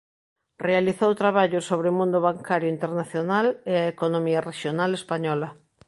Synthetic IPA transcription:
realiθowt̪ɾaβ̞aʎosoβɾemũnd̪ʊβaŋkaɾjoint̪eɾnaθjonaleaekonomiareʃjonalespaɲɔlɐ

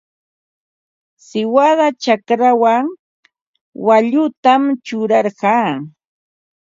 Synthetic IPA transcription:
sɪwaðat͡ʃakɾawaŋ | waʎʊt̪amt͡ʃʊɾɑɾɢɑː

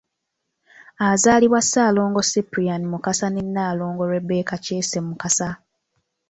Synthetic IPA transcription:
azaːliβwasːaːlo̞ːŋɡo̞sipɾianimukasanenːaːloːŋɡo̞lwe̞be̞ːkaceːse̞mːukasa

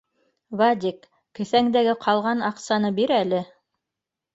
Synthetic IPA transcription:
vad̪ʲikː | ɘ̆θæŋd̪æɡɘqʰɑlˠʁɑnɑqsɑnɤbiɾælɘ

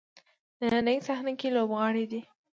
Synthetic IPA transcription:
d̪ananəjsahnʊkilobɣɑɽid̪i

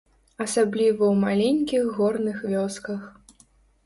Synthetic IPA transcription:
ɐsablʲivɐwmalʲenʲkʲiɣːɔrnɨxvʲɔskɐx

